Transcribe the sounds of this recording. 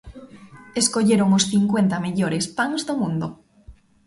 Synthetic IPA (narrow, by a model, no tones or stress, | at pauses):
eskoʎeɾoŋosθiŋkwent̪ameʎoɾespaŋzðomũnd̪o